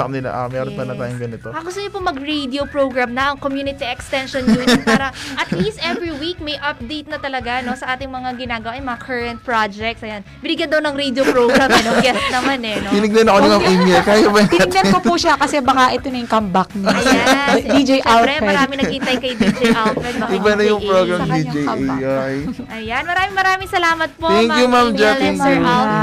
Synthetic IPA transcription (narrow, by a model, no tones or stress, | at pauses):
nɪlɐ̰ʔa̰mɛːɾonpɐnɐt̪a̰ːjoŋɡɐnɪt̪okɐɡʊst̪ʊɲopʊmɐɡɾejd̪iopɹowɡɹamnɐʔɐŋkomjuːnɪt̪iʔɛkst̪ɛnʃonjunpaːɾɐʔɐt̪list̪ʔɛvɹiwik̚mɐjʔɐp̚d̪ejt̪nɐt̪ɐlɐɡano̞sɐʔaːt̪ɪŋmɐŋaɡɪnaːɡɐwaʔɐjmɐŋakʰɐɹɐnt̪̚pɹad͡ʒɛk̚t̪sɐjanbɪnɪɡjɐnd̪ɐwnɐŋɾed̪jopɾoɡɾamɐnoɡɛst̪̚nɐmanɛnobɪnɪɡ̚nɐnːɐkonɐŋɐimɛkaːjabɐnbɪnɪɡ̚nɐnkopuʃakɐsɛbɐkaʔɛt̪onɐjʊŋkɐmbɐk̚nɐ | d̪id͡ʒejʔawaɐmɐɾaːmɪŋnɐɡiʔɪnt̪ajkɐjd̪id͡ʒʔawt̪̚ɛd̪̚bɐɪbɐnɐjʊŋpɾoɡɾɐmd̪id͡ʒɛɐajʔɐjanmɐɾaːmɪŋmɐɾaːmɪŋsɐlaːmɐt̪̚pot̪ɛŋkjumamd͡ʒɛɛɛa